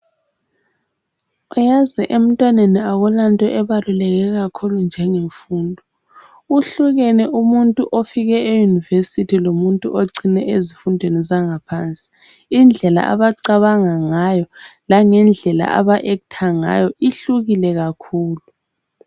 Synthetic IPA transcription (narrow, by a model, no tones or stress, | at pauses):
ujazɛʔem̩tʼwaneniaɣulantʼɔʔɛβalulɛɣɛɣakʰulund͡ʒʱɛŋeɱfuːndʱɔ | uɬuɣɛnɛʔumuntʼuʔofiɣɛejunivesitʰilomuntʼuʔoǀinɛʔezifundʱwenizaŋapʰaːnt͡sʼi̥ | ind͡ɮʱɛla̰ʔa̰βaǀaβaŋaŋajɔlaŋɛnd͡ɮʱɛla̰ʔa̰βaʔɛkutʰaŋa̰jɔʔiɬuɣilɛɣakʰuːlu